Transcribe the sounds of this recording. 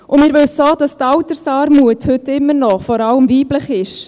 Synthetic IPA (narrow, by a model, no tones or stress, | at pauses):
ʔʊmɪːɾʋɪlsoːd̥ɑstɑwtəɾsɑːɾmuəthʏtɪmːəɾnɔχfɔɾɑləmviːbləχɪʃ